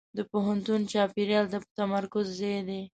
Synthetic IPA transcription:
d̪əpoɦant̪unt͡ʃɑpeɾjɑld̪apət̪amaɾkʊzːejd̪e

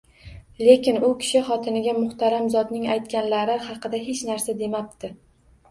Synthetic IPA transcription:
le̞kʲɪnʊkʲʰɪ̥ʃɪχɒt̪ʰɪnɪɡʲamʊχt̪aɾamzɒd̪nɪŋajt̪kʲanlaɾɪhɑqɨd̪aɦe̞t͡ʃnaɾsad̪e̞map̚t̪ɪ

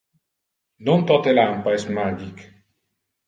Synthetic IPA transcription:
nont̪ɔt̪elampaesmad͡ʒik

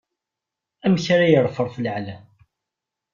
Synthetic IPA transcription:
æmçaɾajəɾˤfəɾˤfələʕlæ

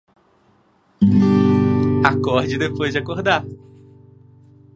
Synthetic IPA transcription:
akɔɾd͡ʒɪd̪epojzd͡ʒakoɾd̪aɾ

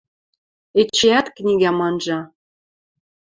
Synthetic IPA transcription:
et͡ɕːeæt̪knʲiɣæmɑnʒɑ

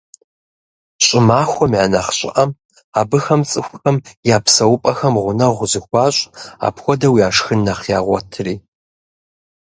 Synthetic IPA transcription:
ɕʼɪmaːxʷɔmʕanɐχɕʼɪ̰ʔɐm | aːbɨxɐmt͡sʼɨxʷʊxɐmjaːpʰsɐwʊpʼɐxɐmʁʷʊnɐʁʷʊzɨxʷɑːɕʷʼa̰ːpxʷɔdɐwiaːʂxɨnːɐχjaːʁʷɔtʰriː

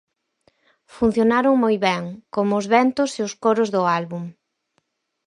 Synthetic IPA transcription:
fun̟θjonaɾʊŋmojβɛŋkomʊːzβɛnt̪ʊseʊskoɾʊzðʊalβum

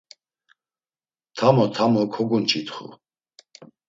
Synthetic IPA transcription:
t̪ʰamɔt̪ʰamɔkʰɔɡunt͡ʃʼit̪χṵ

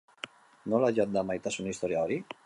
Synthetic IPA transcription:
nolaʒat̪̚d̪amajt̪asunaist̪ɔɾjaɔɾi

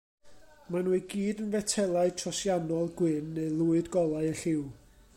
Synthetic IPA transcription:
manuːɨɡiːdənvɛtʰɛlˠaɨ̥tʰrɔsjanɔlˠɡwɪnːeɨlˠuɨdɡɔlˠaɨəɬɪw

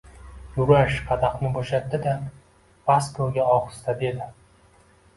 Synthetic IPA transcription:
jʊɾaʃqʰɑd̪aqnɪboʃat̪ʰːɪd̪a | paskoɡʲaɒχɨ̥st̪ad̪e̞d̪ɪ

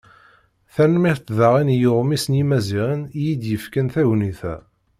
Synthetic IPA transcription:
θænmiθt̪ðɑʁinjoʁmisnjimæziʁənjid̪jəfkənθæʝniθæ̰

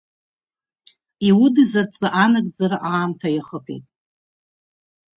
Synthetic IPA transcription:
iwʊdɨzat͡sʼɨʔanakʼd͡zaɾaʔaːmtʰajaχəpʰḛtʼ

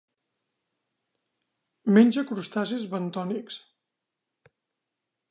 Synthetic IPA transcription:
menʲd͡ʒəkɾust̪azizβənt̪ɔniks

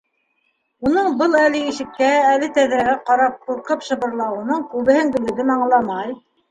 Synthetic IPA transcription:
unɤɴbɤlˠælɘiʃɘ̆kːæælɘt̪æðɾæɣæqɑɾɑp̚quɾqɤpʃɤ̆βɤ̆ɾlˠɑwɤ̆nɤɴkʉβɘ̆hɘŋɡɘ̆lɘ̆ðɘmɑɴlˠɑmɑj

